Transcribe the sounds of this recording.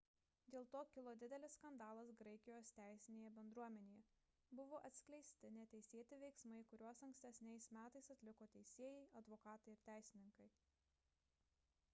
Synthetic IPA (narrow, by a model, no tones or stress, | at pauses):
d̪ʲeːlˠt̪oːkʲɪlˠoːd̪ʲɪd̪ʲɛlʲɪsskɐnd̪ɑːlˠɐsɡɾɐɪkʲɪjoːst̪ʲæˑɪsʲɪnʲeːjɛbʲɛnd̪ɾuɔmʲɛnʲeːjɛ | bʊʋoːʔɐt̪ʲsʲkʲlʲɛɪsʲt̪ʲɪnʲɛt̪ʲɛɪsʲeːt̪ʲɪʋʲɛɪksmɐɪkʊɾʲuɔsɐŋksʲt̪ʲɛsʲnʲɛɪsmʲæːt̪ɐɪsɐt̪ʲlʲɪkoːt̪ʲɛɪsʲeɛjɛɪɐd̪ʋoːkɑːt̪ɐɪɪɾt̪ʲæˑɪsʲɪnʲɪŋkɐɪ